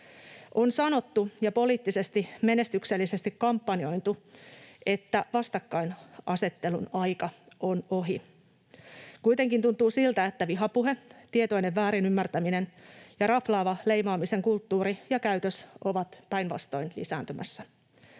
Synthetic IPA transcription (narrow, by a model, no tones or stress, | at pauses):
ʔo̞nsɑno̞t̪ːujɑpo̞liːt̪ːise̞st̪ime̞ne̞st̪ykselːise̞st̪ikkɑmpːɑnio̞jnt̪u | e̞t̪ːæʋɑst̪ɑkːɑinɑse̞t̪ːe̞lunɑjkɑ | ʔono̞ɦi | kujt̪e̞ŋkint̪unt̪ˑuːsilt̪æet̪ːæʋiɦɑpuɦe̞t̪iet̪o̞ineʋːæːɾinymːært̪æmine̞njɑɾɑflɑːʋɑle̞jmɑːmise̞ŋkult̪ːuːɾijɑkæyt̪øso̞ʋɑt̪pæjnʋɑ̰st̪o̞̰inlḭsæ̰ːnt̪ymʔæ̰sːæ